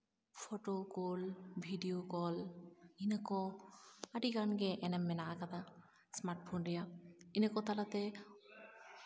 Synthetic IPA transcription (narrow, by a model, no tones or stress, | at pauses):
fʰoʈokɔlbʱiɖiokɔlinakɔ | aɖiɡanɡeʔɛnemːenaakat̪a | smaɾʈ̚pʰondijainekɔt̪alat̪e